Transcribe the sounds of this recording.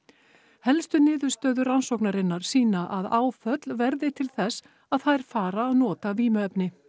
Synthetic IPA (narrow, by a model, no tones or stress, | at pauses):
hɛlst̪ʏnɪːðʏ̥st̪œːðʏransowknaɾɪnːaɾ̥siːnaʔaðaːwfœt̪lvɛɾðɪt̪ʰɪlθɛs | aðθajɾ̥faːɾaːðnɔːt̪aviːmʏœpnɪ